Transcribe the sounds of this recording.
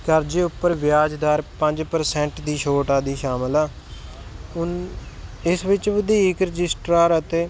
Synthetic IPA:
kəɾd͡ʒeːʊpːəɾʋɪjaːd͡ʒd̪aːɾpəɲd͡ʒpəɾsɛ̃ɳʈd̪iːʃoːʈaːd̪iːʃaːmlaː | ʊn | ɪsʋɪt͡ʃʋəd̪iːɪkɾɪd͡ʒɪsʈɾaːɾət̪eː

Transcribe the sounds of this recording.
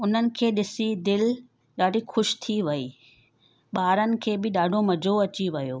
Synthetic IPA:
ʊn̤ənɪ̆kʰeːɗɪsid̪ɪl | ɗaːɖʱixʊʃt̪ʰiʋɐiː | ɓaːɾənɪ̆kʰeːbɪɗaːɖʱomɐd͡ʑʱoɐt͡ɕiʋɐjoː

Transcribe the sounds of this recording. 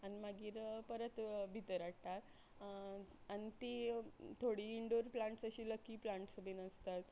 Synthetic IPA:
animaɡiːɾpəɾət̪bʱit̪əɾaʈ̚t̪at̪ | anit̪it̪ʰoɽiːɳɖuɾplãɳʈsəɕiːləkːiːplaɳʈsəbinəst̪at̪

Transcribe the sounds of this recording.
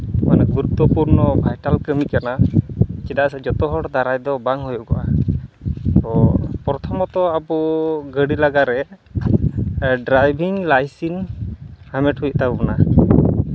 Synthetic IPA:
manak̚buɾut̪ɔpuɾnɔbʱajʈalkəmikanat͡ʃɛd̪asad͡ʒɔt̪ɔɦɔɽd̪aɾajd̪ɔbaŋɦujɔʔɡɔʔa | t̪ɔpɔɾɔt̪ʰɔmɔt̪ɔabɔɡəɽilaɡaɾɛ | ɖɾajbʱiŋlajsin | hamɛʈhuj̚ˀt̪abbɔna

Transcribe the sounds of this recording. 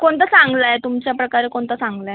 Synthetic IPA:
koɳt̪əsãŋɡlajt̪umt͡ɕjapɾəkaɾekoɳt̪əsãŋɡla

